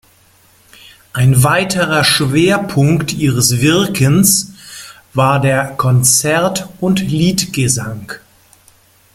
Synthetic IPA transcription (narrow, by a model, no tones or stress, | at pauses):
ʔaɪnvaɪtʰəʁɐʃv̥eːɐpʰʊŋktʰʔiːʁəsv̥ɪɐkʰəns | vaːɐdeːɐkʰɔnt͡sɛɐtʊntliːtɡ̥əzaŋ